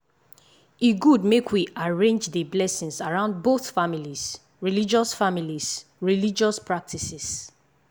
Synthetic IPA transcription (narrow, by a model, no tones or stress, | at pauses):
iɡudmekʰwiʔaɹẽnd͡ʒðəblɛsĩnsaɹãʊ̃nd̚boθfamilis | ɹilid͡ʒɔsfamilisɹilid͡ʒɔspʰɹak̚tʰisis